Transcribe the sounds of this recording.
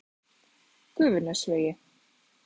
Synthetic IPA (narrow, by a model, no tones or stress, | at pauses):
kʏːvʏnasvœːjɪ